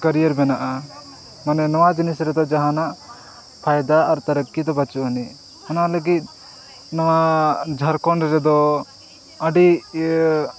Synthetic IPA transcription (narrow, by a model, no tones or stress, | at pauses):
kəɾijəɾbɛnaʔa | manɛnɔwad͡ʒinisɾɛd̪ɔd͡ʒaɦãnaʔ | pʰajd̪aːɾt̪aɾəkːid̪ɔbat͡ʃuʔɔni | hɔnaləɡit̪̚ | nɔwad͡ʒʱaɾkɔɳɾɛd̪ɔ | əɖi